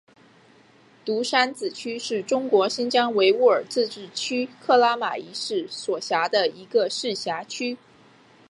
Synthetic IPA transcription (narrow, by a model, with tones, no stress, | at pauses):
t̪u˧˥ʂa˥nt͡sɹ̩˨˩t͡ɕʰy˥ʂɻ̩˥˩ʈ͡ʂʊ˥ŋkwɔ˧˥ɕi˥nt͡ɕjɑ˥ŋwe˧˥ɪu˥˩ə˞˨˩t͡sɹ̩˥˧ʈ͡ʂɻ̩˥˩t͡ɕʰy˥kʰɤ˥˩la˥ma̰˨˩i˧˥ʂɻ̩˥˩swɔ˨˩ɕja˧˥d̪ə˧i˧˥ɡə˧ʂɻ̩˥˩ɕja˧˥t͡ɕʰy˥